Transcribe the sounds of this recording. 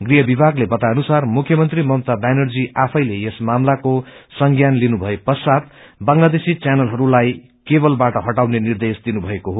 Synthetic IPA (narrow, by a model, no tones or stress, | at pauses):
ɡriɦʌbibʱaɡlebʌt̪aʌnusarmukʰjʌmʌnt̪rimʌmt̪abanʌrd͡ziʔapʰʌjlejesmamlakosʌŋɡjanlinubʱʌepʌsat̪̚ | bʌŋlad̪esit͡sjanʌlɦʌɾulaj | kebʌlbaʈʌɦʌʈawnenird̪esd̪inubʱʌekoɦo